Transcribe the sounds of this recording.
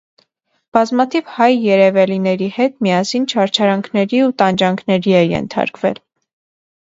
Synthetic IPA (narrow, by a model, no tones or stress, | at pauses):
b̥ɑzmɑt̪ʰivhɑjːɛɾɛvɛlinɛɾihɛt̪mijɑsint͡ʃʰɑɾt͡ʃʰɑɾɑŋkʰnɛɾiut̪ɑnd͡ʒɑŋkʰnɛɾiɛjɛ̰nt̪ʰɑ̰ɾkvɛ̰l